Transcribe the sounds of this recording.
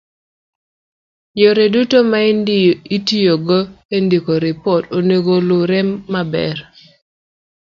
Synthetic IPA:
joɾedutomaitijoɡoendikoɾɪpɔtoneɡoloɾɛmːabɛ̰r

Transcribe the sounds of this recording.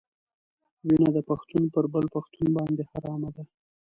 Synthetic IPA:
winad̪əpaxt̪unpəɾbəlpaxt̪unbɑnd̪ehaɾɑmad̪a

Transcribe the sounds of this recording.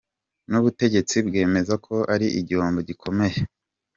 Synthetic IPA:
nuβute̞ɟe̞t͡sibɡe̞ːme̞zakʰo̞ʔaɾiʔiɟioːmboɟikʰo̞me̞je

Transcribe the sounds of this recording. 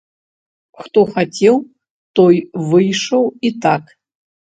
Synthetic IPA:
xt̪oxatʲʰew | t̪ojvɨjʂowit̪ʰak

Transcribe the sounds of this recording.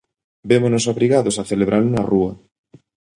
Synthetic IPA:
bemonosoβɾiɣaðosaθeleβ̞ɾʔalʊnaruɐ

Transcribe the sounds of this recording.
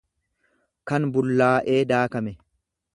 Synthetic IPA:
kɐnbʊlːaːʔe̞ːd̪aːkɐmɛ

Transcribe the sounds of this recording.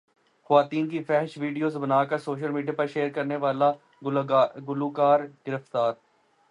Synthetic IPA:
xɐʋaːt̪iːnkifɛɦʃʋiːɖijoːzbɐnaːkəɾsoːʃ̬əlmiːɖijapɐɾʃeːəɾkɐɾneʋaːla | ɡʊluːkaːɾɡ̥ɪɾəft̪aːɾ

